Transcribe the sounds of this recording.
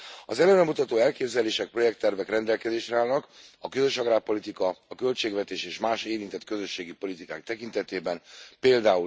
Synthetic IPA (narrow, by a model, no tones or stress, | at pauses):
ɒzɛlɛnɾɛmut̪ɒt̪oːɛlkeːbzɛleːʃɛk̚pro̞jɛk̚t̪ːɛrvɛkrɛnd̪ɛlkɛzeːʃrɛaːlnɒkɒkøzø̞ʃɒɡɾaːpo̞lit̪ikɒɒkø̞lt͡ʃeːɡʋɛt̪eːʃeːʃmaːʃeːɾint̪ɛt̪kø̞zø̞ʃːeːɡipo̞lit̪ikaːk̚t̪ɛkint̪ɛt̪eːbɛnpeːld̪aːu